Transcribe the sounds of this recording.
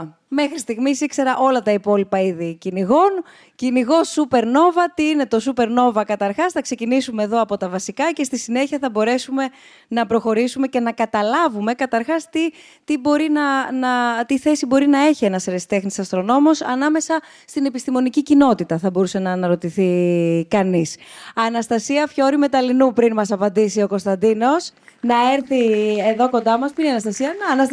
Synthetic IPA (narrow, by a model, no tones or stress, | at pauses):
me̞xɾist̪iɣmisikse̞ɾɐʔo̞lɐt̪ɐipo̞lipɐiðiciniɣo̞n | ciniɣo̞supe̞ɾno̞vɐt̪iine̞t̪o̞supe̞ɾno̞vɐkɐt̪ɐɾxɐsθɐkse̞cinisumeːðo̞ɐpo̞t̪ɐvɐsikɐce̞st̪isine̞çiɐθɐbo̞ɾe̞sume̞ | nɐpɾo̞xo̞ɾisume̞ce̞nɐkɐt̪ɐlɐvume̞kɐt̪ɐɾxɐst̪i | t̪ibo̞ɾinɐnɐt̪iθe̞sibo̞ɾinɐe̞çie̞nɐseɾest̪e̞xnisɐst̪ɾo̞no̞mo̞sɐnɐme̞sɐ | st̪ine̞pist̪imo̞nicicino̞t̪it̪ɐθɐbo̞ɾuse̞nɐːnɐɾo̞t̪iθikɐnisɐnɐst̪ɐsiɐfço̞ɾime̞t̪ɐlinupɾinmɐsɐpɐnd̪isio̞ko̞st̪ɐnd̪ino̞snɐeɾθie̞ðo̞ko̞nd̪ɐmɐspuineɐnɐst̪ɐsiɐnɐ